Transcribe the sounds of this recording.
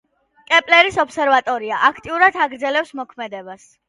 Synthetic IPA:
kʼɛpʼlɛɾisɔpsɛɾvat̪ʼɔɾiaʔakʰt̪ʼiuɾad̪ʰaɡɾd̪zɛlɛpsmɔkʰmɛd̪ɛbas

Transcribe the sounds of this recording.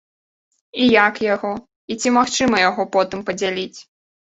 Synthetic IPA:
ijakjaɣɔ | it͡sʲimaxt͡ʂɨmɐjaɣɔpɔt̪ɨmpɐd͡zʲalʲit͡sʲ

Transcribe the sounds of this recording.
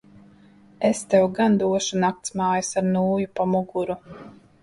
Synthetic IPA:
est̪ɛwɡand̪uɔʃunak̚t̪smaːjasaɾnuːjupamuɡuɾu

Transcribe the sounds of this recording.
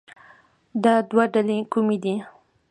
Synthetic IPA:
d̪ad̪waɖalekumid̪i

